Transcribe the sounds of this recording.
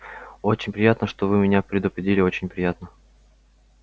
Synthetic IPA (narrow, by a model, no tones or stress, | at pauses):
o̞t͡ɕɪnʲpɾʲɪjat̪nəʂt̪ovɨmʲɪnʲapɾʲɪd̪ʊpɾʲɪdʲilʲɪo̞t͡ɕɪnʲpɾʲɪjat̪nə